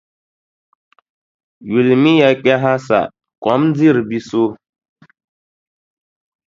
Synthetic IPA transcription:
ɥi˨lmi˦ja˨k͡pɛ˦ɦa˦sa̰˨ | kɔ˨˦md͡zi˦˨ɾbi˦so˦

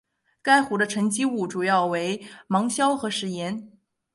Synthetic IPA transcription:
ka˥ɪxu˧˥d̪ə˧ʈ͡ʂʰɤ˧˥ŋt͡ɕi˥u˥˩ʈ͡ʂu˨˩jɑ˥˩ʊwe˧˥ɪmɑ˧˥ŋɕjɑ˥ʊxɤ˧˥ʂɻ̩˧˥jɛ˧˥n

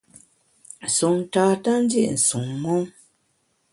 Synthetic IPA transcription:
n̩˨su˨n̩˨taː˦ta˦n̩˦dḭ˦ʔn̩˨su˨ŋmɔ˦ŋ

